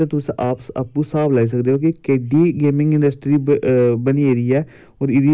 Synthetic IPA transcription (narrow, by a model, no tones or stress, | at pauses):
et̪ʊsẽʔaːpa̰pːũːsaːblaːiːs̬əkd̪eːɦoːkekeːɖiːɡeːmɪ̃ŋɡɪnɖəsʈɾiːbəniːeːɾiːɛː | ɔːɾɪɾiː